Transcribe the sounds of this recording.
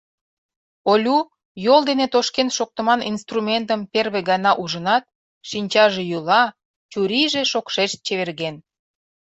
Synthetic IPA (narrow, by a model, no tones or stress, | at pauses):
olʲu | jold̪enet̪oʃkenʃok̚t̪ə̆mɑnʔinst̪rumʲent̪əmperβeɡɑnɑʔuʒənɑt̪̚ | ʃinʲt͡ɕɑʒejulɑ | t͡ɕuɾiʒeʃokʃeʃt̪̚t͡ɕeβerɣen